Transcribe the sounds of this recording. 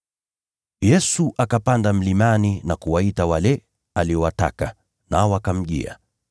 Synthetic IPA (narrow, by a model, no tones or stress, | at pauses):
jɛsuʔakapandam̩limaninakuwaitawalɛ | aliɔwata̰ka | naɔwakam̩ʄḭa̰